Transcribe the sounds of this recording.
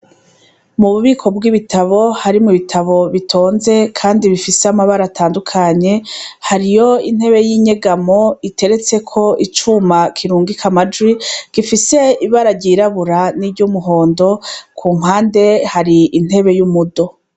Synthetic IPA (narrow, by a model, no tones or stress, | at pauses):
muβuβiːkʰo̞bɡiβitʰaβo̞haɾimuβitʰaβo̞βitʰo̞ːnze̞kʰaːndiβifiseamaβaɾatʰaːndukʰaɲe̞haɾijo̞in̥he̞βe̞jiɲe̞ɡamo̞itʰe̞ɾe̞t͡se̞kʰo̞ʔit͡ʃumakʰiɾuːŋɡikʰamad͡ʒwiɡ̥ifise̞iβaɾaɾɟiɾaβuɾanibɟumuɦoːndo̞kʰuːŋ̥ɦaːnde̞haɾiin̥he̞βe̞jumudo̞